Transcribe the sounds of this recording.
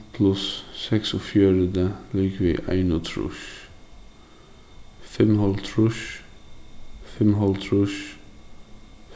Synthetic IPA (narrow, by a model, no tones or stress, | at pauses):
pʰlʉsːɛksɔfjøɾəd̪əliːkʋḭːʔæ̰ɪnʊt̪ʰɾʊ̰ʃ | fɛmhɑlt̪ʰɹʊʃ | fɛmɦɑlt̪ʰɹʊʃ